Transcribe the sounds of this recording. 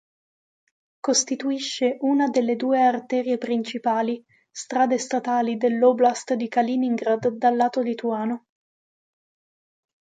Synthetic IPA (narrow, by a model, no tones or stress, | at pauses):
kost̪it̪uiʃːeʔunad̪elːed̪uːeart̪ɛːɾiepɾint͡ʃipaːli | st̪ɾaːd̪est̪at̪aːlid̪elːoblast̪d̪ikaliniŋɡɾad̪ːalːaːt̪olit̪uaːno